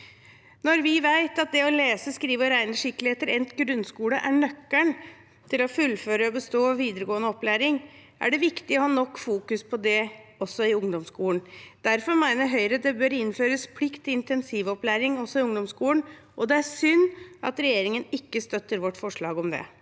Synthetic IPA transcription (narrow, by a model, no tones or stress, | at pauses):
nɔɾʋɪʋæɪt̪ɑt̪̚d̪ɛɔleːsəskɾiːʋəɔɾæɪnəʂɪkːlɪheːt̪əɾɛnt̪ɡɾʉnskuːləʔæɳœkːəɳ | t̪ʰɪlɔfʉlføːɾəɔbəst̪oːɔʋiːd̪əɾəɡoːənəɔplæːɾɪŋʔæ̰ɖɛʋɪkt̪ɪɔhɑːnɔkːfuːkʉspʰɔd̪ɛɔsːɔɪʊŋd̪ɔmskuːləɳd̪̥æɾfɔɾmæɪnəɾɦœʏɾəd̪ɛbøɾɪnføːɾəspʰlɪkt̪ːɪɪnt̪ɛnsiːʋɔplæːɾɪŋɔsɔɪʊŋd̪ɔmskuːən | ʔɔd̪ɛæɾsʏnːʔɑ̰t̪ɾɛjeːɾɪŋənɪkːəst̪œt̪ːəɾʋɔʈːfɔʂɭɑːɡɔmd̪ɛ̰